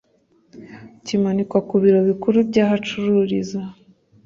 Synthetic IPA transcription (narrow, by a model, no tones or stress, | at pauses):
cimanikwakuβiɾo̞βikuɾubɟaːɦat͡ʃuɾuɾiza